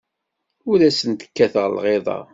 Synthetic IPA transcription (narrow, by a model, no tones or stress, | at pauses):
ʊɾæsənt̪ə̥kːæθəʁlʁeðˤɑ̰